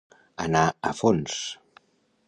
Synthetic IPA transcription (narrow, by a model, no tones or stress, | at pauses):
ə̰naəfons